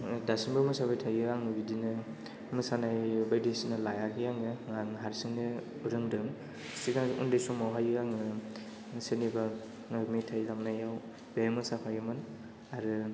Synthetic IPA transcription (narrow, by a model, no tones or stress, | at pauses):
dasinbɯmɯsabajtʰajɡiɾaŋnɯbidinɯ | mɯsanajbajdisinɯlajaɡijaŋɯaŋɦaɾsiŋnɯ | uɾɯŋdɯŋ | siɡaṵndɯjsumawɦajɾaŋɯ | seniba | mitʰajlamnajaw | bajmɯsapʰajɯmɯn | aɾɯ